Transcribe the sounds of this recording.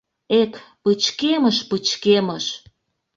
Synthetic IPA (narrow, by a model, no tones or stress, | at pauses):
et̪pət͡ɕkeməʃpət͡ɕkeməʃ